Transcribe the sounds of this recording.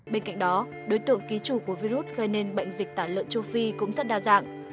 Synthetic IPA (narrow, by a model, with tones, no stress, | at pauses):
ɓe˧nka̰˧˨ŋ̟ɗɔ˨˦ | ɗo˨˦jt̪ɨ̰˧˨əŋki˨˦t͡ɕu˧˩ku˧˩əvi˧zu˦˥t̚xəː˧˩jne˧nɓa̰˧˨jŋ̟zï˨˩k̟̚t̪aː˧˩lɨ̰˧˨ənt͡ɕo˧fi˧kʊ̰˧˥ŋ͡mzə˦˥t̚ɗaː˧za̰ː˧˨ŋ